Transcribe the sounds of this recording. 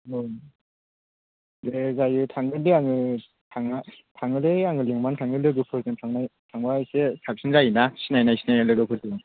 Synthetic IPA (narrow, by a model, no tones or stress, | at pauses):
ɯ | ɾezajɯtʰaŋɯlɯaŋɯ | tʰaŋa | tʰaŋɯleaŋɯleŋmantʰaŋɯlɯɡɯpʰɯɾdɯntʰaŋatʰaŋbaesesʰak̚sʰɯnzainasinajnaisinajalɯɡɯpʰɯɾdɯɯn